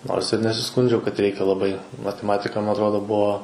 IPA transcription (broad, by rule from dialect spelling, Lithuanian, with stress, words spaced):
ˈnoːrs ɪr nʲɛsʲɪˈskʊnʲd͡ʒʲɛʊ kɐt ˈrʲɛɪkʲɛ lˠɐˈbɐɪ mɐtʲɛˈmɑːtʲɪkɐ ˈmɐ ɐtˈroːdoː ˈbuɔ